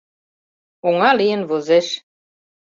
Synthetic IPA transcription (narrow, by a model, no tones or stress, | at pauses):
oŋɑlijɘ̆nβozĕʃ